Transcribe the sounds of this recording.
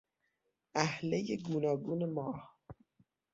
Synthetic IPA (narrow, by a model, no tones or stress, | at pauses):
ʔæhlejeɡuːnɒːɡuːnemɒːh